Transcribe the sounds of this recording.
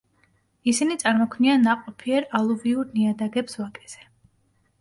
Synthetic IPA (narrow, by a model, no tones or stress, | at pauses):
isinit̪sʼaɾmɔkʰvnianaqʼɔpʰiɛɾalˠuviuɾniad̪aɡɛpswakʼɛ̥z̥ɛ